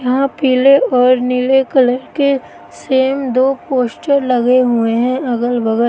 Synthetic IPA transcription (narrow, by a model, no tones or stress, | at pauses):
jɐɦãpiːleɔːɾnilekɐləɾke | seːmd̪oːpoːsʈəɾlɐɡeɦʊeɦɛ̃ɐɡəlbɐɡə